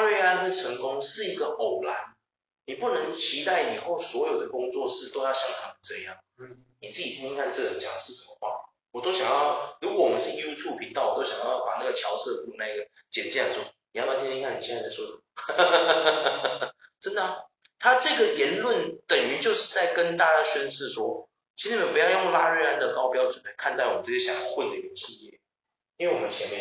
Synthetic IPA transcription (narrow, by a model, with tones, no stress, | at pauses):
ɻwe˥˧ɪa˥nd̪ə˨ʈ͡ʂʰə˧˥ŋkʊ˦ŋʂɻ̩˥˩i˧˦˥ɡə˨ʔo˨˩ʊla̰˧˦n | ni˨˩pu˥˩nə˧˦ŋt͡ɕʰi˧˦˥t̪a˥˩ɪi˨˩xo˥˩ʊswɔ˧˥jo˨˩ʊd̪ə˩kʊ˥ŋt͡swɔ˥˧ʂɻ̩˥˩t̪o˥ʊjɑ˥˧ʊɕjɑ˥˩ŋt̪ʰɑ˥˨˩ʈ͡ʂɤ˥˧jɑ̰˥˩ŋ | ni˨˩t͡sɹ̩˥˩t͡ɕi˨t̪ʰi˦˥nʰɛ˥ŋkʰa˥˧nt͡sɤ˥˩˨t͡ɕjɑ̰˨˩ŋʂɻ̩˥˩ʂə˨˩mə˦xwa̰˥˩ | wɔ˨˩t̪o˥ʊɕjɑ˨˩ŋjɑ˥˩ʊɻu˧˥kwɔ˧˦wɔ˨mə˦nʂɻ̩˥˩ju˦˥t̪ʰju˥˩pʰi˧˥ŋt̪ɑ˥˩ʊwɔ˨˩t̪o˥ɕjɑ˨˩ŋjɑ˥˩˧pa̰˨˩na˥˩ɡə˩t͡ɕʰjɑ˧˥ʊsɤ˥˧fu˥˩˧na˥˩i˥ɡə˨˩ | t͡ɕɛ˨˩nt͡ɕja˥˩ʂo˥˩ni˨jpa˨˩i˥i˥ŋkʰa˥˩ni˨˩ɕɛ˥˧t͡sa˥˧˩a˥˩ʂwɔ˥t͡sə˨˩ | ʈ͡ʂə˥nd̪ə˨ | t̪ʰa˥ʈ͡ʂɤ˥˩ɡə˨˩jɛ˧˦˥nlwə˥˩nt̪ə˨˩ŋy˧˥t͡ɕjo˥˧ʊʂɻ̩˥˧t͡sa˥˩ɪkə˦˥nt̪a˥˧t͡ɕa˥˩ɕə˥nʂ̩˥˧˩swɔ˥ | t͡ɕʰi˧˥˩pu˧˥jɑ˥˧ʊjʊ˥˩ŋla˥ɻə˥˧a˥nd̪ə˨kɑ˥ʊpjɑ˥ʊt͡swə˨˩nla˨˦kʰa˥˧nt̪ɑ˥˩˨ə˧˦˥ɤ˥˩jɛ˥ɕɑ˨˩˦jɑ˥˧xwe˥˩ɪd̪ə˨˩i˥˩ə˧ɕi˥˧jɛ˥˩ | i˥nwe˥˩ɪwɔ˨mə˦nt͡ɕʰjɛ˧˥nmjɛ˥˩